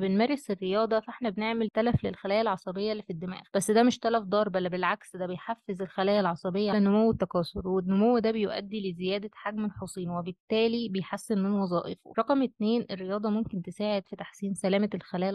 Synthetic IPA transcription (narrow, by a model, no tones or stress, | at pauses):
benmæɾˤːeserːejɑːd̪ˤɑfæʔeħnæbeneʕmelt̪ælæflelxælæːjælʕɑsˤɑbejːɑlːifid̪ːemæ̰ːɣb̥æsːd̪æmɪʃt̪ælæfd̪ˤɑːɾˤbælːæbelʕaksd̪æbejħafːezelxælæːjælʕɑsˤɑbejːælænomowːet̪ːækɑːsˤoɾˤwenːomowːd̪æbejoʔæ̰d̪ːilezejæːd̪æħaɡmelħosˤiːnwebet̪ːæːlibejħasːenmenwɑzˤɑːʔefo̰ɾˤɑqmʔet̪neːnʔerːejɑːd̪ˤɑmomkent̪esaːʕed̪fit̪aħsiːnsælæːmælxælæːj